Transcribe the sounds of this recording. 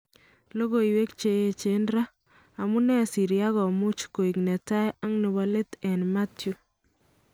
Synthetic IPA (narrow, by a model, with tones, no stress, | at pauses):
lo˦ɣo˨iwe˦kt͡ʃe˨je˦t͡ʃe˦nɾa˦ | a˨mu˦nɛ˦˨si˨ɾja˦ɣɔ˨mu˦t͡ʃko˨i˨knɛ˨ta˦ja˦ŋnɪ˨βa˦le˦tɛ˨nma˦tju˦